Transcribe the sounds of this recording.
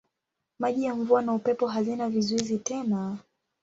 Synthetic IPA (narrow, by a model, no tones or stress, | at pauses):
maʄijaɱvuanaupɛpɔɦazinavizuizitɛna